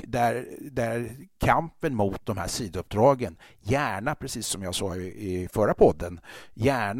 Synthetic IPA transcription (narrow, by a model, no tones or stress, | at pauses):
d̪æɾd̪ækʰampənmʊt̪̚d̪ɔmhæ̰ːʂiːd̪əɵp̚d̪ɾɑːɡənjæːɳapʰɾɛsiːsːɔmjaaʂɑːɡɪɪfœɾapʰɔd̪ːənjæːɳ